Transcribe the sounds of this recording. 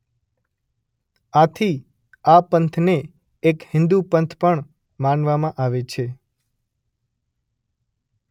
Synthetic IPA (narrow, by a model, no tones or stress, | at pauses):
at̪ʰi | apənt̪ʰneː | khɪ̃nd̪upənt̪ʰpəɳ | manʋamãʔaʋet͡ʃʰe